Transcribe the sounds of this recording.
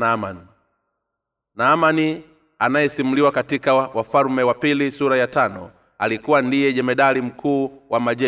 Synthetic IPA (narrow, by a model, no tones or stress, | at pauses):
amani | naːmani | anajɛsimuliwakatikawafalmɛwapilisuɾajatanɔ | alikuwandijɛʄɛmɛɗalim̩kʰuːwamaʄɛ